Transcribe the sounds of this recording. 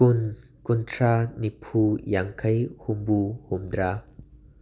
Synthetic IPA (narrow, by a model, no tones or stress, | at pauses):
un | kʊntʰranipʰujaŋkʰɐjhʊmbuhʊmd̪ɾaː